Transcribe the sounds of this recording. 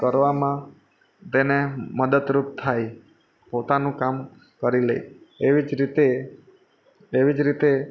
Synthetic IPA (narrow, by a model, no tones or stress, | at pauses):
kəɾʋamã | t̪eneməd̪əd̪ɾup̚t̪ʰaj | pot̪anũkam | kəɾilḛjeʋid͡ʒɾit̪e | ʋid͡ʒɾit̪e